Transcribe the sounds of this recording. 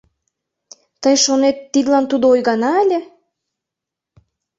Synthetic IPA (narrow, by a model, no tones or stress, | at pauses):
t̪əjʃonet̪ːid̪lɑnt̪ud̪oojɣɑnɑælʲe